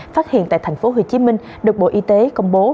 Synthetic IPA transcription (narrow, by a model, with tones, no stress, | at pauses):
faː˦˥t̚hḭ˧˨ənt̪a̰ː˧˨jt̪ʰa˨˩jŋ̟fo˨˦ɦo̰˧˩t͡ɕi˨˦mï˧ŋ | ɗɨ˨˩k̚ɓo̰˧˨ʔi˧t̪e˨˦kə˧wŋ͡mɓo˨˦